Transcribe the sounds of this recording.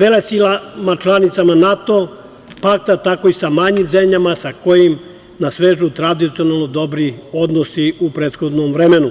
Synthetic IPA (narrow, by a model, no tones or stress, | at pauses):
ʋelesilamat͡ʃlˠanit̪samanat̪o̞ | pak̚t̪at̪ako̞isamaɲimzemʎamasako̞jim | nasʋeːʒut̪ɾad̪it̪sio̞nalˠno̞d̪o̞bɾiod̪nosiupɾeːt̪xod̪nomvɾemenu